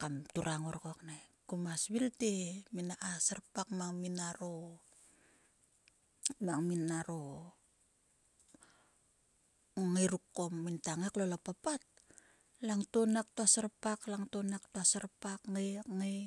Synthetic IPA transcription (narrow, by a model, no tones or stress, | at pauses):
kamtuɾaŋoɾkoaknajkumasβilteminaʔasarpak̚maŋminaɾo | maŋminaɾo | ŋajɾukːomːintaŋaklolapapat̚ | laŋtonak̚tuasarpaklaŋtonak̚tuasarpakŋeŋe